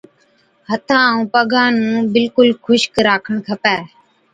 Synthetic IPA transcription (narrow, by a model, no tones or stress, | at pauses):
hət̪ʰãːũːpəɡãːnũːbɪlkʊlkʰʊʃkɾaːkʰəɳkʰəpɛː